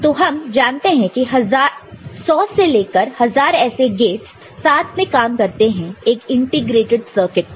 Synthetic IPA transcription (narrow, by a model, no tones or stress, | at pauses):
t̪oːɦɐmd͡ʒaːnt̪eɦɛ̃kiɦɐzaːɾsɔːseleːkəɾhɐzaːɾɛːseɡeːʈsː | aːt̪ʰmẽkaːmkɐɾt̪eɦɛ̃eːkɪ̃ɳʈɪɡɾeːʈɪɖsəːɾkɪʈ̚